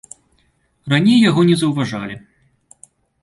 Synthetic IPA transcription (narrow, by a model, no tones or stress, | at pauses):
ranʲejːaɣɔnʲɛzɐwvaʐalʲi